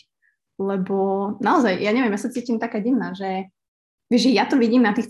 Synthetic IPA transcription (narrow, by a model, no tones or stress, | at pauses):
lɛbɔnaɔzajjaɲɛʋiɛmjasat͡siːcimt̪akaːɟinaːʒɛ | ʋɛʒɛjat̪ɔʋiɟiːmnat̪iːx